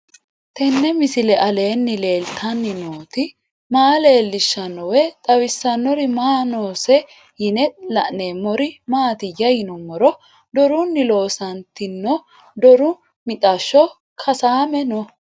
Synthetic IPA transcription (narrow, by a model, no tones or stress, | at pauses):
t̪ɛnːɛmɪsɪlɛʔɐle̞ːnːɪle̞ːlt̪ʰɐnːɪnoːt̪ɪ | maːle̞ːlːɪʃːɐnːɔwɛt̪ʼɐwɪsːɐnːɔɾɪmaːnoːsɛ | jɪnɛlɐʔneːmːɔɾɪmaːt̪ɪjɐjɪnɔmɔɾɔ | d̪ɔɾʊnːɪlo̞ːsɐnt̪ɪnːɔ | d̪ɔɾʊ | mɪt̪ʼɐʃɔ | kʰɐsaːmɛnɔ